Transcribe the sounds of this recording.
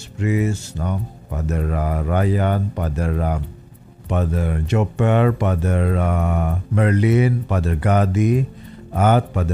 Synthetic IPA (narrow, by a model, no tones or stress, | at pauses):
spɾisnɔ | padəɾarajanpadəɾa | padərd͡ʒopərpadəɾamərlinpadərɡadi | at̪̚padə